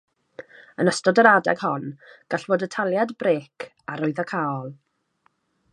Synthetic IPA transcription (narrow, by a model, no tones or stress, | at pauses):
ənəstɔdəɾadɛ̰ɡ̥hɔnɡ̥aɬv̥oːdətʰalˠjadbreːkʰ | aɾʊɨðakʰaɔlˠ